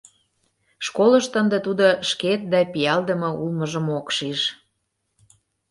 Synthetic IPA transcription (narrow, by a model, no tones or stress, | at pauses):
ʃkoləʃt̪ənd̪ĕt̪ud̪oʃket̪̚d̪ɑpijɑld̪əmɤ̆ulməʒəmokʃiʃ